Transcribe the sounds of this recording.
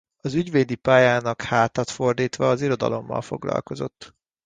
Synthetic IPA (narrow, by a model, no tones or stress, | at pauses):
ɒzyɟveːd̪ipaːjaːnɒkhaːt̪ɒt̪fo̞rd̪iːt̪ʋɒːziɾo̞d̪ɒ̰lo̞mːɒ̰lfo̞ɡlɒ̰lko̞zo̞̰t̪ː